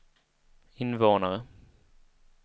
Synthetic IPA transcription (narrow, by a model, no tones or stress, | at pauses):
ɪnvoːnaɾə